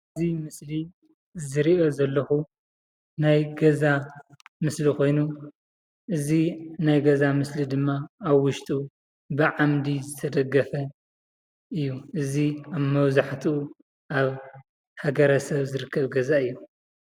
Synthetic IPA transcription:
ɨzimɨsli | zɨɾiozɐlːɐxu | najɡɐzamɨslixo̞jnu | ʔɨzinajɡɐzamɨslid̪ɨmːaːβwʊʃt̪ʼu | bɨʕamd̪izɨt̪ʰɐd̪ɐɡːɐfɐ | ɨjːuʔɨziaβmɐβzaħt̪ʰu | ʔaβ | haɡɐɾɐsɐβzɨɾɨkʰːɐβɡɐzaɨjːu

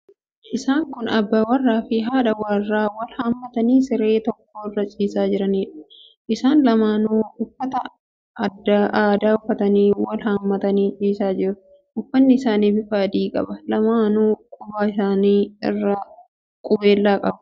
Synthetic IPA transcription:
ʔɪsaːŋkʊnɐbːawɐrːaːfɪɦaːᶑɐwaːrːaːwɐlhamːɐt̪ɐniːsɪɾeːt̪ɔkːoːɪrːɐt͡ʃʼiːsaːd͡ʒɪɾɐniːᶑʊ̥ | ʔɪsaːnlɐmaːnuːʊfːɐt̪ɐ | ɐd̪ːaʔaːd̪aːʊfːɐt̪ɐniːwɐlhamːɐt̪ɐniːt͡ʃʼiːsaːd͡ʒɪɾʊ | ʔʊfːɐnːɪɪsaːniːfɪfaːd̪iːkʼɐ̰bɐlɐmaːnuːkʼʊbaːɪsaːniːɪ̰rːɐ | kʼʊbe̞ːlːaːkʼɐbʊ

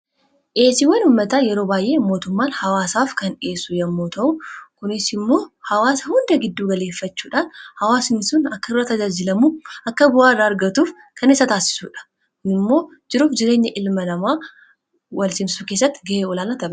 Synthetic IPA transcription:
ʔeːsɪwɐnuːmːɐt̪aːjɛɾoːbaːjʔe̞ːmo̞ːt̪ʊmːaːnhɐwaːsaːfkɐne̞ːsʊjɐmːoːt̪ɐʔʊkʊnɪsɪmːo̞ːhɐwaːsɐhʊnd̪ɐɡɪd̪ːuːɡɐle̞ːfːɐt͡ʃːuːᶑaːnhɐwaːsɪnɪsʊnɐkːɐɪrːɐt̪ːɐd͡ʒaːd͡ʒɪlɐmuːʔɐkːɐbʊʔaːɪrːaːɐɾɡɐt̪uːf | kɐnɪsːɐt̪aːsɪ̥sṵːᶑɐ̥ | kʊnɪmːo̞ː | d͡ʒɪɾuːfd͡ʒɪɾe̞ːɲːɐʔɪlmɐnɐmaː | wɐlsɪmsuːke̞ːs̬ːɐt̪ːɪɡɐʔeːɔlaːlat̪ɐbɐ

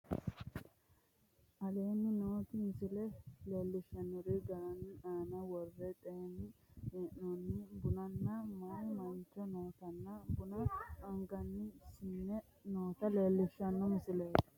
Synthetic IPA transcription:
ʔɐleːnːɪnoːt̪ɪmɪsɪlɛleːlːɪʃɐnʊɾɪɡɐɾɐnːɪaːnɐwɔrːɛt̪ʼɛnːɪeːʔnɔnːɪbʊnɐnːɐmɐnmɐnt͡ʃːɔnoːt̪ɐnːɐbʊnɐʔɐŋɡɐnːɪsɪnːɛ | noːt̪ɐleːlːɪʃːɐnːɔmɪsɪleːt̪ɪ̥

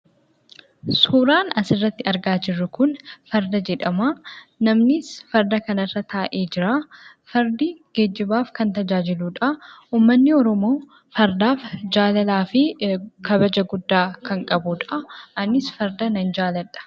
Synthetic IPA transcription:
suːɾaːnɐsɪrːɐt̪ːɪɐɾɡaːd͡ʒɪrːʊkʊnfɐɾd̪ɐd͡ʒɛᶑɐmaːnɐmnɪsfɐɾd̪ɐkɐnɐrːɐt̪ʰaːʔeːd͡ʒɪɾaː | fɐɾd̪iɡ̥ed͡ʒːɪbaːfkɐnt̪ɐd͡ʒaːd͡ʒɪluːᶑauːmːɐnːɪɔɾɔmo̞ː | fɐɾd̪aːfd͡ʒaːlɐlaːfɪkɐbɐd͡ʒɐɡʊd̪ːaːkʰɐŋkʼɐbuᶑɐʔɐnɪsfɐɾd̪ɐnɐnd͡ʒaːlɐɐ̥

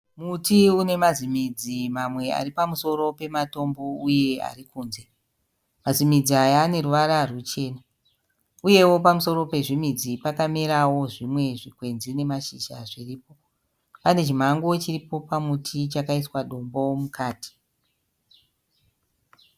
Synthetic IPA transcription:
mutiune̞mazimid͡zimamwe̞a̰ripamuso̞ɾo̞pe̞mato̞mbo̞uje̞a̰rikuːnze̞ | mazimid͡ziajane̞ruʋaɾarut͡ʃe̞ːna | uje̞wo̞pamuso̞ɾo̞pe̞ʐimid͡zipakameɾawo̞ʐimwe̞ʐikwe̞nzine̞maʃiʃaʐiriːpo̞ | pane̞t͡ʃim̤aŋɡo̞t͡ʃiripo̞pamutʰit͡ʃakaiswaɗo̞mbo̞mukaːti̥

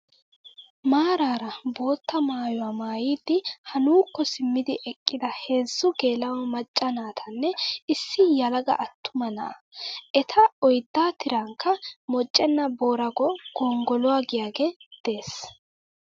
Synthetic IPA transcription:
maːɾaːɾɐbo̞ːt̪ːɐmaːjʊwaːmaːjiːd̪ːɪhɐnuːkːɔsɪmːɪd̪ɪʔɛkʼːɪd̪ɐhe̞ːzːʊɡe̞ːlɐwɐmɐt͡ʃʼːɐnaːt̪ʰɐnːɛɪsːɪjɐlɐɡɐ̰ʔɐt̪ːʊmɐnɐ̰ʔɐ̰ʔɛt̪ʰɐɔjd̪ːaːt̪ɪɾɐŋkːɐmɔt͡ʃʼːɛnːɐbo̞ːɾɐɡɔɡ̥ɔːŋɡɔlʊwaːɡɪjaːɡed̪̥e̞ːs

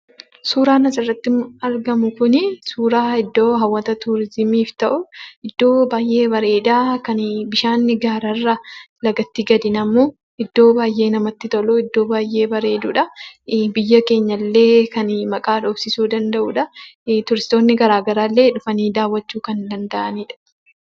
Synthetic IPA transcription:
suːɾaːnɐsɐrːɐt̪ːɪmɐɾɡɐmʊkʊnɪsuːɾaːɪd̪ːoːɦɐwːɐt̪ɐt̪ʊɾɪzɪmiːft̪ɐʔʊɪd̪ːo̞ːbaːjʔe̞ːbɐɾe̞ːd̪aːkɐnbɪʃaːnːɪɡaːɾɐrːɐlɐɡɐt̪ːɪɡɐd̪ɪnɐmːoː | ʔɪd̪ːo̞ːbaːjʔe̞ːnɐmɐt̪ːɪt̪ɔlɔɪd̪ːo̞ːbaːjʔe̞ːbɐɾe̞ːd̪uːᶑɐbɪjːɐke̞ːɲːɐlːe̞ːkɐnmɐkʼaːᶑoːbsɪsuːd̪ɐnd̪ɐʔuːᶑɐt̪ʊɾɪst̪oːnːɪɡɐɾaːɡɐɾaːlːe̞ːᶑʊfɐniːd̪aːwːɐt͡ʃːuːkɐnd̪ɐnd̪ɐʔɐniːᶑɐ̥

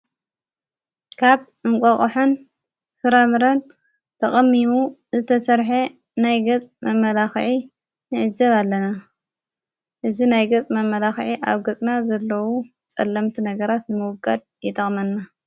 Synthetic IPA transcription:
kʰaβ | ɨŋkʷʼɐχʼħon | fɨɾamɨɾɐn | t̪ʰɐχʼɐmːimuzɨt̪ʰɐsɐɾħe | najɡɐt͡sʼmɐmːɐlaxʕi | nɨʕɨzɐβalːɐna | ʔɨzinajɡɐt͡sʼmɐmːɐlaxʕiʔa̰βɡɐt͡sʼnazɐlːɐwu | t͡sʼɐlːɐmt̪ʰinɐɡɐɾat̪nɨmɨwɡʼɐd̪̚ | jɛt̪ʰʼɐχʼmɐnːa

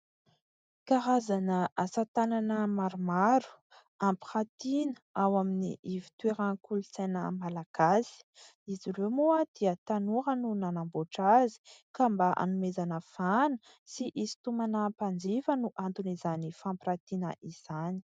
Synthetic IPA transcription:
kaɾazanəasat̪ananəmaɾumaɾu̥ | ampiχat̪inəawaminḭʔivi̥t̪weɾakulusenəmalakazi̥ | iziɾemoad̪̥iət̪anuɦənunanamboʈ͡ʂazi̥kambaʔa̰numezanəfanə | siʔizi̥t̪umanapand͡zifənuʔant̪unizanifampɾat̪inə̰ʔiz̥ani̥

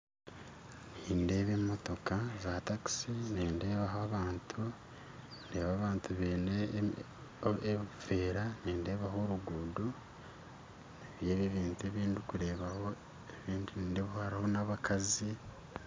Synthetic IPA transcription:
niːnde̞ːβeːmoto̞kazaːtaki̥siniːnde̞ːβaɦaaːβaːntʰu | nde̞ːβaːβaːntuβeːne | eβifeːɾaniːnde̞ːβaɦo̞ɾuɡudu | niβjeːβeβiːntueːβiːndikuɾe̞ːβaho̞ | eβiːndiniːndeβuhaɾaho̞naβakʰazi

